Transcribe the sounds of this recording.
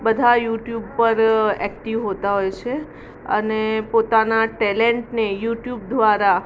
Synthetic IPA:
bəd̪ʱajuʈjub̚pəɾɛkʈiʋɦot̪aɦojt͡ʃʰe | ə̰nepot̪anaʈɛleɳʈnejuʈjub̚d̪ʋaɾa

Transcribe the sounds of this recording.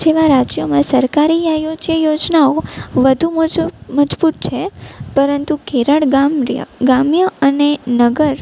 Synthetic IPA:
d͡ʒeʋaɾad͡ʒjomãsəɾkaɾiajod͡ʒjəjod͡ʒnaoʋəd̪ʱumd͡ʒməd͡ʒbut̪̚t͡ʃʰepəɾənt̪ukeɾəɽɡamɾjə̰ɡamjəənenəɡəɾ

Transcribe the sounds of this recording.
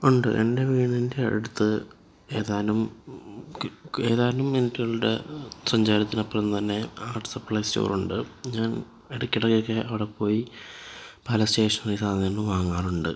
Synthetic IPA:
uɳɖɨ̰ʔe̞nde̞ʋiːɳinde̞ḛɽut̪ːɨ | e̞ːðaːɐlum | e̞ːðaːɾɐlumenitːuɣɐɭuɽḛsɐɲd͡ʑaːɾɐt̪ːinɐpːorenːɨt̪ɐnːe̞aːrʈɨ̥sɐprɐjst͡ɕo̰ːruɳɖɨɲaːn | eɽukʲːiɽɐkːjokːe̞ʔɐʋiɽepːo̞ːji | pɐlɐste̞ːʂɐnrijsaːŋːenːuʋaːŋːaːruɳɖɨ̰

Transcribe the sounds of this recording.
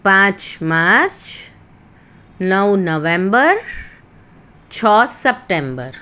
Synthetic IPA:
pãːt͡ʃmaːɾɾt͡ʃ | nəwnəʋẽmbəɾ | t͡ʃʰɔːsep̚ʈẽmbəɾ

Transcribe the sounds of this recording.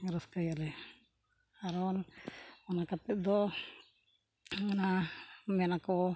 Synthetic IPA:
ɾɔskajalɛ | aɾɔnɔnakap̪ɛtd̪ɔ | ɛnamɛnakɔ

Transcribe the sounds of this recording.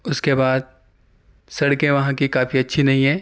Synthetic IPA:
ʊskebaːd̪̚ | sɐɽkẽʋɐɦãkikaːfiɐtːʃʰinɐɦĩɦɛ̃ː

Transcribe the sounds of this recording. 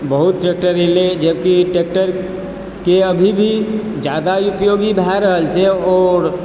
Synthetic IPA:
bəɦut̪̚ʈek̚ʈəɾeled͡ʒəbkiʈek̚ʈəɾ | keəbʱibʱi | d͡ʒad̪aupjoɡibʱɛɾəɦəlt͡ʃeɔːɾ

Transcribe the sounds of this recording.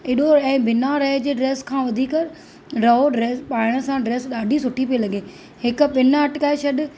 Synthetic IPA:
ɪɗoɛ̃ːbɪnaɾɐɦed͡ʑeːɖɾeːskʰãːʋɐd̪ʱiːkɾ | ɾɐɦoɖɾeːspaːɪɽ̃əsãɖɾeːsɗaːɖʱisʊʈʰipielɐɡeː | hɪkʊ̆ɓɪnɐʈkaːeʃɐɗ

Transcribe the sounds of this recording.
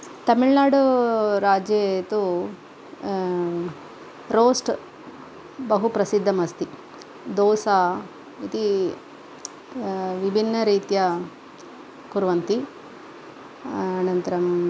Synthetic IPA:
t̪ɐmiɭnaːɽuɾaːd͡ʒjet̪u | ɾoːsʈ | bɐɦupɾɐsid̪ʱːɐmɐst̪i | d̪oːsaː | it̪i | ʋibʱinːɐɾiːt̪jɐ | kuɾʋɐnt̪i | aːnɐnt̪ɐɾɐm

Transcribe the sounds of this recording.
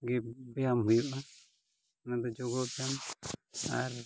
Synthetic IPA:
ɡɛbɛjamɦujuʔa | nad̪ɔd͡ʒɔɡɔbɛjam | a̰ɾ

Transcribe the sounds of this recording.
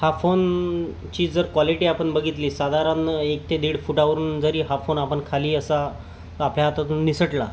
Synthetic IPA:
hafon | t͡ɕiːd͡zəɾkʋaliʈiːapəɳbəɡʱit̪liːsad̪aɾãnəek̚t̪ed̪iːɽfuʈaʋəɾuːnd͡zəɾiːɦafonapəɳkʰaliːəsa | t̪əapljat̪at̪unnisəʈla̰

